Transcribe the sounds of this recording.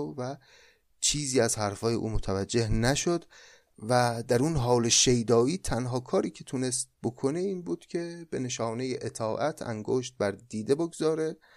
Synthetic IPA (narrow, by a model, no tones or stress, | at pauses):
væ | t͡ʃʰiːziːæzhæɾfɒːjeʔṵːmot̪ʰævæd͡ʒːe̞hnæʃod̪ | væd̪æɾunɦɒːleʃejd̪ɒːiːt̪ʰænɦɒːkʰɒːɾiːcʰe̞t̪ʰune̞st̪̚bo̞kʰo̞ne̞iːnbuːd̪̥cʲʰe̞b̥e̞ne̞ʃɒːne̞jeʔet̪ʰɒːʔæt̪ʰæ̰ŋɡoʃt̪̚bæɾd̪iːd̪e̞boɡzɒːɾe̞